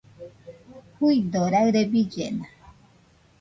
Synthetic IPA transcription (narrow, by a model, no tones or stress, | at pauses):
hujd̪oɾaɣɾebid͡ʒena